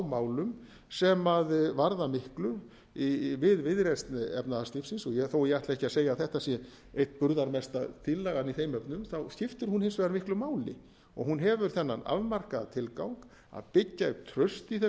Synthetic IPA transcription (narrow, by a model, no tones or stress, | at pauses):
wmaːwlʏm | sɛmaðvaɾðamɪhklʏ | ivɪðvɪðɾest̪nɛ̰pnaðast̪ɪfsɪnsɔjɛθoːwjɛajt̪ɛhcɪaseːjaθɛht̪asjɛ | ejht̪pʏɾðaɾmɛst̪a̰t̪ʰilːaɣaniθejmœpnʏmθawçɪft̪ʏɾ̥hunhɪnsvɛðaɾmɪhklʏmaːwlɪ̰ | ɔ̰ɣhunɦɛvʏɾ̥θɛnːana̰vmar̥kaðat̪ʰɪlkawŋk | a̰ðpɪcːat̪ʰɾœɥst̪iθɛ